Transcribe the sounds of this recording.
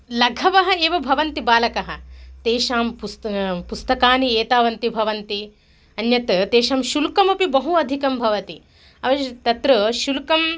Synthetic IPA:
lɐɡʱɐʋɐɦɐeːʋɐbʱɐʋɐnt̪ibaːlɐkɐɦɐ̆t̪eːʃaːmpuspust̪ɐkaːnieːt̪aːʋɐnt̪ibʱɐʋɐnt̪i | ɐnjɐt̪t̪eːʃɐːmʃulkɐmɐpibɐɦuɐd̪ʱikɐmbʱɐʋɐt̪i | ɐʋɐt̪ɐt̪ɾɐʃulkɐm

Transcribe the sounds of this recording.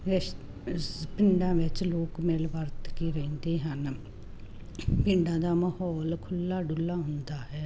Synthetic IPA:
ʋɪʃ | spɪɳɖãːʋɪt͡ʃloːkmeːlʋəɾt̪kiːɾɛ̃ːnd̪eːɦən | pɪɳɖãːd̪aːməhɔːlkʰʊlːaːɖʊlːaːɦʊnd̪aːɦɛː

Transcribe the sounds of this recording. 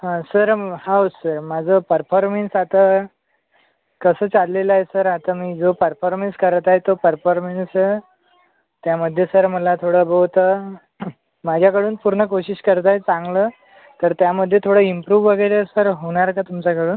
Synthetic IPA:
ɦãsəɾhawsəɾmad͡zʱəpəɾfɔɾmensat̪a | kəsəːt͡salleləjesəɾat̪amiːd͡zopəɾfɔɾmenskəɾt̪ajet̪opəɾfɔɾmens | t̪jaməd̪ʱːjesəɾməlat̪ʰoɽəbəwt̪ə | mad͡ʑʱjakəɽuːnpuɾɳəkoɕiɕkəɾt̪̬ajt͡sãŋɡləː | t̪əɾt̪jaməd̪ʱːjet̪ʰoɽəimpɾuːʋːəɡəjɾesəɾɦoɽ̃aɾkat̪umt͡ɕakəɽuːn

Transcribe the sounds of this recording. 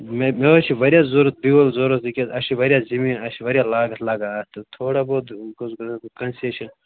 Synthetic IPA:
memeɐt͡ʃʰiʋɐɾjaːzoɾɐt̪̚biwɐlzoɾɐt̪ikʲetɐʃʰiʋɐɾʲjazimĩɐʃiʋɐɾʲjalaːɡɐt̪ʰlaɡat̪ɐt̪ʰoːɽaboːd̪ɡkɐnseʃʰɐn

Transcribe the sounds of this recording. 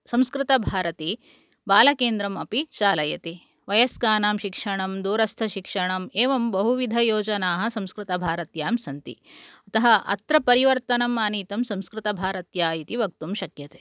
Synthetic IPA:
sɐ̃mskɾɪt̪ɐbʱaːɾɐt̪i | baːlɐkeːnd̪ɾɐmɐpit͡ʃaːlɐjɐt̪i | ʋɐjɐskaːnaːmʃikʂɐɳɐmd̪uːɾɐst̪ʰɐʃikʂɐɳɐmeːʋɐmbɐɦuʋid̪ʱɐjoːd͡ʒɐnaːɦɐ̆sɐ̃mskɾɪt̪ɐbʱaːɾɐt̪jaːmsɐnt̪ḭɐt̪ɐɦɐʔɐ̰t̪ɾɐpɐɾiʋɐɾt̪ɐnɐmːaːniːt̪ɐmsɐ̃mskɾɪt̪ɐbʱaːɾɐt̪jaːjit̪iʋɐk̚t̪umʃɐkjɐt̪e̥ː

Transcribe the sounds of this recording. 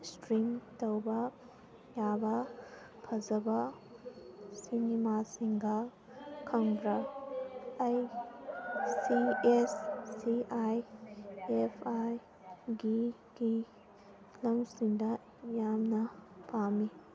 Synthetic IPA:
stɾimtɐwbɐ | jabɐ | pʰɐzɐbɐ | sinimasiŋɡɐ | kʰɐŋbɾɐ | aj | siesːiaj | epʰaj | ɡi | ɡ̥i | lɐmsindɐ | jamnɐpʰami

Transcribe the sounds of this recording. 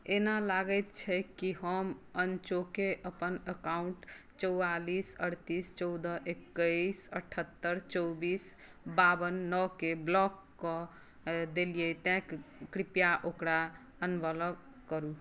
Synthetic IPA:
enalaɡət̪t͡ʃʰɛkiɦəmənt͡ʃokeʔəpənəkauɳʈ | t͡ʃəwalisəɽt̪ist͡ʃɔd̪əʔekːəsəʈʰət̪ːəɾt͡ʃɔwbis | babənːɔkeblɔkːɔ | d̪elijɛt̪ɛ̃kkɾipjaʔokɾa | ənbələk | kːəɾu

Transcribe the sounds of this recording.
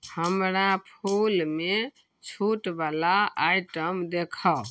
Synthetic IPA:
həmɾapʰulme | t͡ʃʰuʈbalaaiʈəmd̪ekʰə

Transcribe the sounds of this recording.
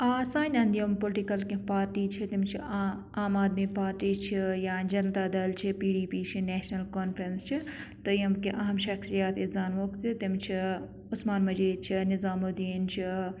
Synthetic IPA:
aːsaːnʲɐnd̪jompolʈikɐlkepaːɾʈiːt͡ʃʰit̪imt͡ʃʰḭ | aːmaːd̪mipaːɾʈiːt͡ʃʰijaːnd͡ʒɐnt̪ad̪ɐlt͡ʃʰipiːɖiːpiːt͡ʃʰineːʃnɐlkoːnpʰɾɐnst͡ʃʰit̪ɨjɐmkeʔɐɦɐmʃɐksijaːt̪izaːnʋoːkt̪it̪imt͡ʃʰi | ʊsmaːnmɐd͡ʒeːd̪̚t͡ʃʰinɪzaːmod̪int͡ʃʰi

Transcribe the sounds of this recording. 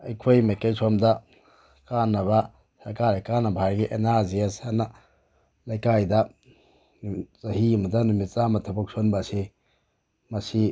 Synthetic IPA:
ɐjkʰojmajkajsɔmda | kanːɐβa | sɐɾkaɾajkanɐbʱaɾɡiʔenaziashana | lajkajda | zɐɦimadɐnumit̚samɐtʰɐbɔk̚sʰonbasi | mɐsi

